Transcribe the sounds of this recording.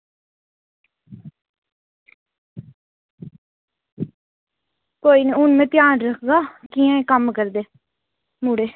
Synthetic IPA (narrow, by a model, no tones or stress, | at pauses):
koːineʊnmẽːt̪ɪjaːnɾəkʰɡaːkiãẽkəmkəɾd̪eː | muɽeː